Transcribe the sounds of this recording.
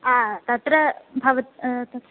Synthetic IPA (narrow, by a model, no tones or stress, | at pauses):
aːt̪ɐt̪ɾɐbʱɐʋɐt̪̚t̪ɐt̪